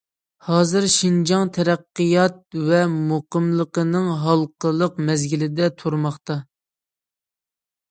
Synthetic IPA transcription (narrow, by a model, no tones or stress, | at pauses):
hɑːzɨɾʃind͡ʒɑŋt̪ʰɛɾæqːəjɑt̪̚vɛmoqəmlˠəqənɨŋɦɑlˠqəlˠəqmɛzɡʲilɪd̪ɛt̪ʰoɾmɑχt̪ɑ